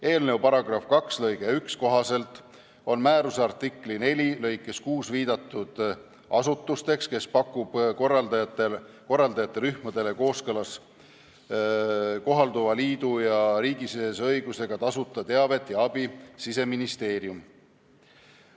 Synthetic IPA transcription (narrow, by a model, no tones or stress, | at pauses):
e̞ːlne̞wpɑɾɑɡrɑfkɑkslɤjɡ̥e̞yksko̞ɦɑse̞lt̪ˑ | o̞nmæːɾuseɑrt̪ˑikˑline̞lʲilɤ̞jkˑːe̞skuːsviːd̪̥ɑt̪ːˑud̪̥ | ʔɑsut̪ːˑust̪e̞kske̞spɑkːub̥krɑd̪t̪e | ko̞rːɑld̪ɑjɑt̪ːˑeɾyhmɑd̪̥e̞le̞ko̞ːskɤlɑs | ko̞ɦɑld̪uvɑliːd̪ujɑɾiːɡ̥isisesɤjɡ̥use̞ɡ̥ɑt̪ɑsut̪ːˑɑt̪e̞ɑve̞t̪ːˑjɑɑb̥isise̞minist̪e̞ːɾium